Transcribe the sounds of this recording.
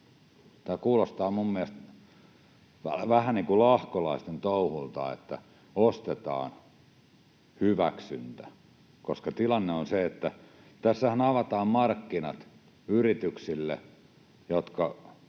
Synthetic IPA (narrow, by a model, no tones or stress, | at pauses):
t̪æːkuːlost̪ɑːmummiæst̪ | ʋæʋæhæniːŋkulɑhkolɑist̪ent̪ouhult̪ɑ̰ḛt̪ːæ | ost̪et̪ɑ̰ːn | hyʋæ̰ksy̰nt̪æ | koskɑt̪ilɑnːeonseet̪ːæ | t̪æsːæhænɑʋɑt̪ɑːmmɑrkːinɑ̰t̪ | yrit̪yksilːḛ | jot̪kɑ